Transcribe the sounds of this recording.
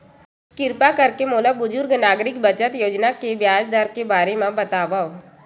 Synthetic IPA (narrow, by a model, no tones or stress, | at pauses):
kɪɾpakɐɾkemoːləbːʊd͡ʒʊɾɡnaːɡɾɪkbɐt͡ʃət̪joːd͡ʒnakebjaːd͡ʒd̪əɾkebaːɾemãbɐt̪aːbao